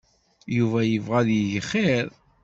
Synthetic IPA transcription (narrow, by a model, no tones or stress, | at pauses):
juvæjəvʁæðjəʝəχːeɾ